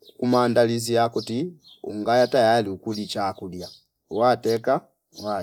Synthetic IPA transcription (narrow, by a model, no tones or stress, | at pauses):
kumandaliziakuti | ṵŋɡajatajaliukulit͡ʃakulja | watɛka | wa